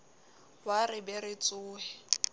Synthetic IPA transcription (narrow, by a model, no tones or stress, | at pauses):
warɪbɛɾɪt͡sʼʊːhɛ